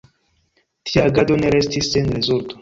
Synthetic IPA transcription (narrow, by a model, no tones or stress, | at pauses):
tiaɡado̞ne̞ɾestisːenɾezulto̥